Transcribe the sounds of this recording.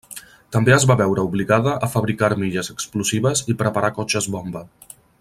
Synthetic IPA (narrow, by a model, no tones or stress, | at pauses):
t̪əmbeəzβaβɛwɾəuβliɣaðəʔːfəβɾikaɾmiʎəzəkspluziβəzipɾəpaɾakɔt͡ʃəzβɔmbə